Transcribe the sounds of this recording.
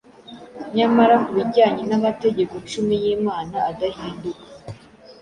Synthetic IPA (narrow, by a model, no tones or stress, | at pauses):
ɲamaɾakuβiɟaːɲinamate̞ɟe̞kot͡ʃumijiːmaːnaːdahiːndukḁ